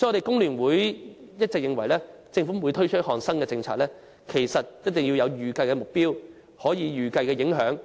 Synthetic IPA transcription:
sɔ˨˥ɔ˧te˨jkʊ˥ŋlyː˨˩nwuː˨˥jjɐ˥t̚t͡sɛ˨k̚jɪ˨˧ŋwɐ˨˩jlɛː˥t͡sɪ˧ŋfu˨˥muː˨˧jt̪ʰɵ˥ɥt͡ʃʰɵ˥t̚hɔː˨˩nsɐ˥nkɛː˧t͡sɪ˧ŋt͡sʰaː˨k̚lɛː˥ | kʰe˨˩jsɐ˨t̚jɐ˥t̚t̪ɪ˨˩ŋji˧wjɐ˧wjyː˨˩kɐ˧jkɛ˧mʊ˨k̚piː˥w | hɔː˨˥jiː˨˧jyː˨kɐ˧jkɛː˧jɪ˨˥ŋɦœː˨˥ŋ

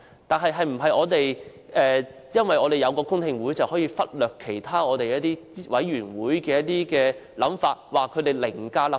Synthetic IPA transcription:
t̪aː˨nɦɐ˨jɦɐ˨jm̩˨˩ɦɐ˨jʔɔː˨˧t̪e˨j | ʔɛː˨ | jɐ˥nwɐ˨˩jʔɔː˨˧t̪e˨jɐ˨˧wkɔː˧kʊ˥ŋt̪ʰɪ˨˧ŋwuː˨˥jt͡sɐ˨whɔː˨˥jiː˧fɐ˥t̚lœː˨kʰːe˨˩jt̪ʰaː˥ɔː˨˧t̪e˨jɐ˥t̚t̪iː˥wʔɐ˨˥jɥyː˨˩nwuː˨˥jkɛː˧jɐ˥t̚t̪iː˥kɛː˧lɐ˨˥mfaː˧t̚waː˨kʰɵ˨˧t̪e˨jlɪ˨˩ŋkaː˧la˨˩

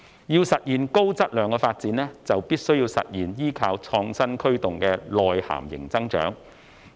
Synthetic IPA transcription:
jiː˧wsɐ˨t̚jiː˨˩nko˥wt͡sɐ˥t̚lœː˨˧ŋkɔː˧faː˧t̚t͡siː˨˥nɛː˥t͡sɐ˨wpiː˥t̚sɵ˥ɥjiː˧wsɐ̰˨t̚jiː˨˩njiː˥kʰaː˨˧wt͡sʰɔː˧ŋsɐ˥nkʰɵ˥ɥt̪ʊ˨ŋkɛː˧lɔː˨jha̰ː˨˩mjɪ̰˨˩ŋt͡sɐ˥ŋt͡ʃœ̰ː˨˥ŋ

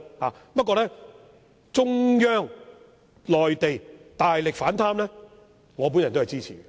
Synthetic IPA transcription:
haː˨pɐ˥t̚kɔː˧lɛː˦˥ | t͡ʃʊ˥ŋjœː˥ŋ | lɔː˨jt̪e˨jt̪aː˨jlɪ˨k̚faː˨˥nt̪ʰaː˥mlɛː˥ | ŋɔː˨˧p̬u˨˥njɐ˨˩nt̪ːɐ˨jt͡siː˥t͡sʰḭː˨˩ɡɛ˧

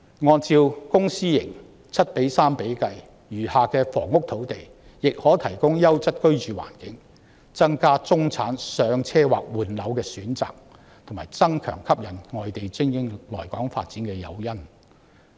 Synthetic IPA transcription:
ŋɔː˧nt͡siː˧wkʊ˥ŋsiː˥jɪ˨˩ŋ | t͡sʰɐ˥t̚pe˨˥jsaː˥mpe˨˥jkɐ˧j | jyː˨˩haː˨kɛː˧fɔ̰ː˨˩ŋʊ˥k̚t̪ʰo˨˥wt̪e˨j | jɪ˨k̚hɔː˨˥t̪ʰɐ˨˩jkʊ˥ŋjɐ˥wt͡sɐ˥t̚kɵ˥ɥt͡ʃyː˨wa̰ː˨˩nkɪ˨˥ŋ | t͡sɐ˥ŋkaː˥t͡sʊ˥ŋt͡sʰaː˨˥nsœː˨˧ŋt͡sʰɛː˥wa̰ː˨k̚wuː˨˩nlɐ˨˧˥wkɛː˧syː˨˥nt͡sa̰ː˨k̚ | t̪ʰʊ˨˩ŋmaː˨˩jt͡sɐ˥ŋkʰœ̰ː˨˩ŋkʰɐ˥p̚jɐ˨˩nŋɔː˨jt̪e˨jt͡sɪ˥ŋjɪ˥ŋlɔ̰ː˨˩jkɔː˨˥ŋfa̰ː˧t̚t͡siː˨˥nkɛː˧jɐ̰˨˧wjɐ˥n

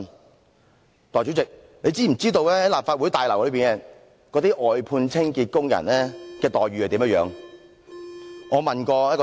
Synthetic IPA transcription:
t̪ɔː˨jt͡ʃy˨˥t͡sɪ˨k̚ | le˨˧jt͡siː˥m̩˨˩t͡siː˥t̪o˧wlɛː˥hɐ˨˥jlaː˨p̚fa˧t̚wuː˨˥jt̪aː˨jlɐ˨˩wlɵ˨˧piː˨˩nɛː˨˩ | kɔ˨˧˥t̪iː˥ʔɔː˨˩jpʰuː˧nt͡sʰɪ˥ŋkiː˧t̚kʊ˥ŋjɐ̰˨˩nlɛː˥kɛː˧t̪ɔː˨jɥyː˨hɐ˨t̪i˨˥mjɐ˥t̚jœː˨˧ŋ | ŋɔː˨˧mɐ˨nkɔː˧jɐ˥t̚kɔ˧

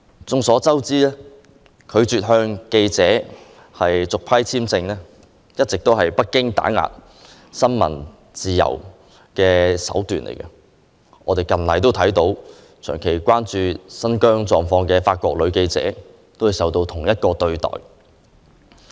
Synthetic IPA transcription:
t͡sʊ˧ŋsɔː˨˥t͡sɐ˥wt͡siː˥lɛː˥ | kʰɵ˨˧ɥt͡syː˨t̚ɦœː˧ŋke˧jt͡sɛː˨˧˥ | hɐ˨jt͡sʊ˨k̚pʰɐ˥jt͡sʰiː˥mt͡sɪ˧ŋnɛː˥ | jɐ˥t̚t͡sɪ˨k̚t̪o˥whɐ˨jpɐ˥t̚kːɪ˥ŋt̪a̰ː˨˥ŋa̰ː˨˩t̚ | sɐ˥nmɐ̰˨˩n | t͡siː˨jɐ̰˨˩w | kɛː˧sɐ̰˨˥wt̪yː˨nlḛ˨˩jkɐ˧ | ʔɔː˨˧t̪e˨jkɐ˨˩nlɐ˨jt̪o˥wt̪ʰɐ˨˥jt̪o˨˧˥w | t͡ʃʰœː˨˩ŋkʰe˨˩jkʷaː˥nt͡ʃyː˧sɐ˥nkœː˥ŋt͡sɔː˨ŋfɔː˧ŋkɛː˧faː˧t̚kʷɔː˧k̚lɵ˨˧ɥke˧jt͡sɛ̰ː˨˥ | t̪o˥whɐ˨jsɐ˨wt̪o˧wt̪ʰʊ˨˩ŋjɐ˥t̚kɔː˧t̪ɵ˧ɥt̪ɔ̰ː˨˩j

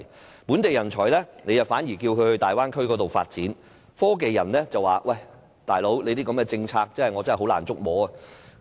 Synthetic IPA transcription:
puː˨˥nt̪e˨jɐ˨˩nt͡ʃʰɔː˨˩jlɛː˥ne˨˧jɐ˨˩faː˨˥njiː˨˩kiː˧wkʰɵ˨˧t̪aː˨jwaː˥nkʰɵ˥ɥkɔː˨˥t̪o˨wfa̰ː˧t̚t͡siː˨˥n | fɔː˥k̬e˨jːɐ˨˩nlɛː˥t͡sɐ˨waː˨wʔɐ˧˩j | t̪aː˨jlo˨˥wle˨˧jt̪iː˥kɐ˨˧mkɛː˧t͡sɪ˧ŋt͡sʰaː˧k̚t͡sɐ˥nhɐ˨jŋɔ˨˧t͡sɐ˥nɐ˨˩ho˨˥la̰ː˨˩nt͡sʊ˥k̚mɔː˨˥ɐ˧

